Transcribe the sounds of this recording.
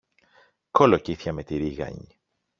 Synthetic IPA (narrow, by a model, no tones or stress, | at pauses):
kolociθçɐmet̪iɾiɣɐ̰ɲi